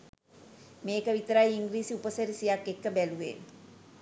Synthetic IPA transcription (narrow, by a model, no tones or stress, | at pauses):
meːkəʋit̪əɾajiŋɡɾiːsiupəsəɾisijakːekːəbæluʋḛː